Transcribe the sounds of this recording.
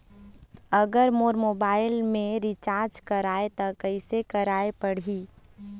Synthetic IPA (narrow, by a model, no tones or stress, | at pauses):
əɡəɾmoːɾmoːbaːɪlmẽɾit͡ʃaːɾd͡ʒkəɾaːet̪ɔkəɪsekəɾaːepəɽ̤i